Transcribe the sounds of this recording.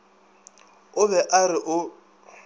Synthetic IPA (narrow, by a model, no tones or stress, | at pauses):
ʊβɛʔarɪʔʊ